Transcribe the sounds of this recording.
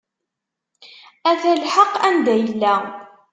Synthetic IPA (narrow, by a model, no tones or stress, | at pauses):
æθælħəqːænd̪æjəlːæ